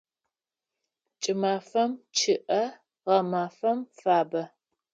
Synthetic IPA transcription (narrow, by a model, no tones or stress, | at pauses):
t͡ʃʼɪmaːfɐmt͡ʃʰɪʔɐ | ʁɐmaːfɐmfaːbɐ